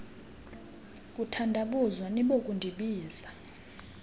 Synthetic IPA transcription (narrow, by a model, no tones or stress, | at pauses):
kʼutʰandʱaɓuzwaniɓokʼundʱiɓiːza